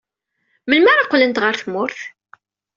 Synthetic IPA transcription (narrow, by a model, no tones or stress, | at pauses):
məlmæɾaqːlənt̪ʁəɾθmʊɾθ